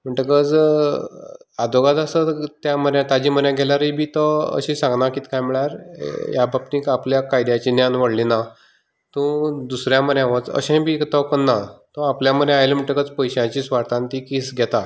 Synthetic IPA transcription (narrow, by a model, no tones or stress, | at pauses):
m̤əɳʈəkəd͡z | ad̪oɡat̪asət̪jaməɾjat̪ad͡ʑiːm̤ənjãɡʱɛlaɾibiːt̪ɔə̰ɕisãŋɡnakiːt̪ʰkajmiɭaɾ̰jabʱap̚niːkapljakajd̪jat͡ɕinjanʋəɽlina | t̪ũd̪usɾjãməɾjãʋət͡sə̰ɕẽbikt̪əkənːat̪ɔapljaməɾjẽajelm̤əɳʈəkəd͡zpəjɕãt͡ɕiːsʋaɾt̪ãnt̪ikisɡʱɛt̪a